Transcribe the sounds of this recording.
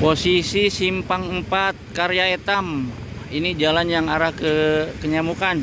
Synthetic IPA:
posisisimpaŋəmpat̪̚kaɾjaet̪am | inid͡ʒalanjaŋaɾahkəkəɲamukan

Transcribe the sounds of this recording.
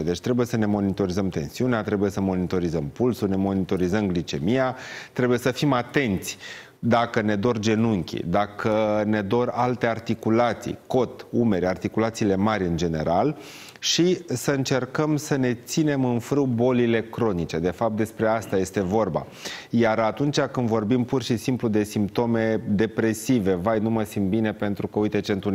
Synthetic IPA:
d̪e̞t͡ʃʲt̪ɾe̞buje̞səne̞mo̞nit̪o̞ɾizəmt̪e̞̰nsiuneat̪ɾe̞buje̞səmo̞nit̪o̞ɾizəmpulsune̞mo̞nit̪o̞ɾizəmɡlit͡ʃe̞mijat̪ɾe̞buje̞səfimat̪e̞nt̪sʲ | d̪akəne̞d̪o̞rd͡ʒe̞nuŋkʲḭd̪akəne̞d̪o̞ralt̪e̞art̪ikulat̪sḭjko̞t̪ume̞ɾʲart̪ikulat̪siːle̞maɾʲɨnd͡ʒe̞ne̞ɾal | ʃisəɨnt͡ʃe̞rkəmsəne̞t̪sine̞mɨnfɾɨwbo̞lile̞kɾo̞nit͡ʃe̞d̪e̞fap̚t̪̚d̪e̞spɾe̞ast̪aje̞st̪e̞vo̞rba̰ | jaɾat̪unt͡ʃakɨnd̪vo̞rbimpurʃisimplud̪e̞simpt̪o̞me̞d̪e̞pɾe̞sive̞vajnuməsimd̪bine̞pe̞nt̪ɾukəujt̪e̞t͡ʃent̪u

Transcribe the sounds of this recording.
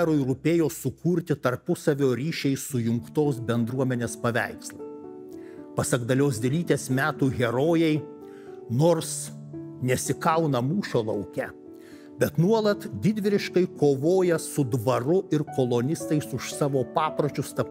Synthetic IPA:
ɾʊɪɾupʲeːjoːsʊkʰuːɾʲt̪ʲɪt̪ɐɾpʊsɐʋʲoːɾʲiːʃʲɛɪsʊjʊŋkt̪oːsbʲɛnd̪ɾuɔmʲɛnʲeːspɐʋʲæ̰ɪkslˠɐ | pɐsɐɡd̪ɐlʲoːsʲd̪ʲɛlʲiːt̪ʲeːsmʲæːt̪uːɣʲɛɾoːjɛɪ | noːɾs | nʲɛsʲɪkɐʊnɐmuːʃʲoːlˠɐʊkʲɛ | b̥ʲɛt̪nuɔlˠɐt̪d̪ʲɪd̪ʲʋʲɪɾʲɪʃkɐɪkoːʋoːjɛsʊd̪ʋɐɾʊʔɪɾkoːlˠonʲɪst̪ɐɪsʊʃsɑːʋoːpɑːpɾot͡ʃʲʊst̪ɐp

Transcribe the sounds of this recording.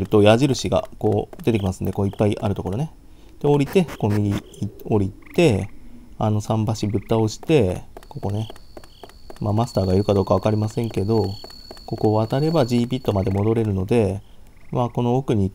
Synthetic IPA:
ɾɯ̟t̪o̞jaʑiɾɯ̟ɕiɡa̰ko̞ːd̪et̪e̞k̬ʲimasɨ̃nd̪eko̞ːipːaiʔaɾɯ̟t̪o̞ko̞ɾo̞ne̞ | t̪eo̞ɾʲit̪e̞ko̞ːmʲiɾʲio̞ɾʲit̪e̞a̰no̞sãmbaɕibɯ̟t̪ːao̞ɕi̥t̪e̞ko̞ko̞ne̞ | mamasɨ̥t̪aːɡaiɾɯ̟kad̪o̞ːkaβakaɾʲimasẽ̞ŋke̞d̪o̞ | ko̞ko̞βat̪aɾe̞bad͡ʑiːbʲit̪ːomad̪e̞mo̞d̪o̞ɾe̞ɾɯ̟no̞d̪e̞ | mako̞no̞okɯ̟ɲ̟i

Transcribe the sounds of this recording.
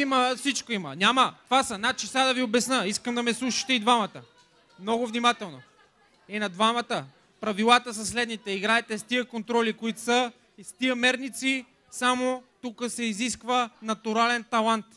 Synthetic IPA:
iməfsit͡ʃkoimə̰nʲamət̪vasɐnat͡ʃisad̪ɐviobɛsnəiskəmd̪ɐmɛslˠuʃi̥t̪ɛid̪vamət̪ə | mnɔɡovnimat̪ɛlˠno | ɛnɐd̪vamɐt̪ə | pɾɐvilˠat̪əsɐslɛd̪nit̪ɛiɡɾaɛt̪ɛst̪iəkont̪ɾɔlikoit̪ʊsə | st̪iəmɛɾnit̪si | samot̪ukəsɛiziskvənɐt̪uɾalɛnt̪ɐlˠant̪

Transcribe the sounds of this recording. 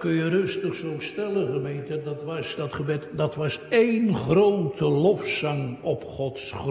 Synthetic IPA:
kɵnjərɵstəχsowstɛləχəmejntədɑtʋɑsdɑtχəbɛtdɑtʋɑsejnχrowtəlɔfsɑŋɔpχɔtsχr

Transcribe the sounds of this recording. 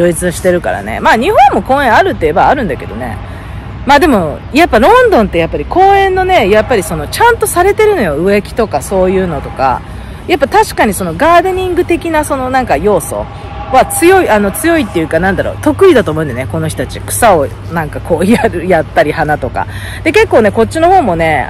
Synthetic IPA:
oːit͡sɨɕi̥t̪e̞ɾɯ̟ka̰ɾa̰ne̞̰maːɲ̟ihõ̞mːo̞kõːẽ̞ɰ̃aɾɯ̟t̪ːeːbaːɾɯ̟̃nd̪ake̞̰d̪o̞̰ne̞̰ | maːd̪e̞mo̞ | japːaɾõ̞nd̪õ̞nt̪ːe̞japːaɾʲiko̞ːẽ̞nːo̞ne̞japːaɾʲiso̞no̞t͡ɕãnt̪o̞saɾe̞t̪e̞ɾɯ̟no̞jo̞ɯ̟e̞kʲi̥t̪o̞kaso̞ːjɯ̟ːno̞t̪o̞ka̰ | japːat̪aɕi̥kaɲ̟iso̞no̞ɡaːd̪eɲ̟ĩŋɡɯ̟t̪e̞kʲinaso̞no̞nãŋkajo̞ːso̞̰ | βat͡sɨjo̞iano̞t͡sɨjo̞it̪ːejɯ̟ːkanãnd̪aɾo̞̰ːt̪o̞kɯ̟id̪at̪o̞ːmoɯ̃nd̪eneko̞no̞çi̥t̪at͡ɕikɯ̟̥sao | nãŋkakʰo̞ːiaɾɯ̟jat̪ːaɾʲihanat̪o̞ka̰ | d̪̥e̞ke̞kːo̞ːne̞ko̞t͡ɕːino̞ho̞ːmo̞ne̞

